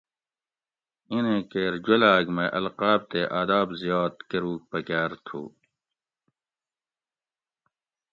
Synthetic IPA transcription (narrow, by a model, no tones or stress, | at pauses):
inẽkeːɾd͡ʑɐlaːɡmeʔɐlqaːb̚t̪eʔaːd̪aːbzijaːd̪kɐɾuːk̚pɐkaːɾt̪ʰṵː